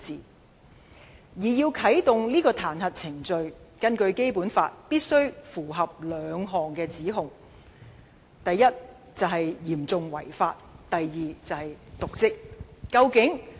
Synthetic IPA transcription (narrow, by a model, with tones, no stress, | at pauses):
t͡siː˨ | jiː˨˩jiː˧wkʰɐ˨˥jt̪ʊ˨ŋliː˥kɔː˧t̪ʰaː˨˩nɦɐ˨t̚t͡sʰɪ˨˩ŋt͡ʃɵ˧ɥkɐ˥nkɵ˧ɥke˥jpuː˨˥nfa̰ː˧t̚piː˥t̚sɵ˥ɥfuː˨˩ɦɐ˨p̚lœː˨˧ŋɦɔː˨˩ŋkɛː˧t͡siː˨˥ɦʊ˨ŋ | t̪ɐ˨jːɐ˥t̚ | t͡sɐ˨wɦɐ˨jjiː˨˩mt͡sʊ˨ŋwɐ̰˨˩jfa̰ː˧t̚t̪ɐ˨jːiː˨t͡sɐ˨whɐ˨jt̪ʊ˨k̚t͡sɪ˥k̚ːɐ˧wkɪ˨˥ŋ